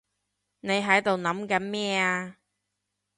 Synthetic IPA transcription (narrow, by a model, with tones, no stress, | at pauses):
ne˨˧jɦɐ˨˥jt̪o˨wnɐ˨˥mkɐ˨˥nmɛː˥aː˧